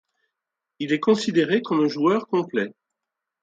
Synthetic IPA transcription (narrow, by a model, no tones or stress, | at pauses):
ilɛkɔ̃sid̪eʁekɔmɛ̃ʒuœʁkɔ̃plɛ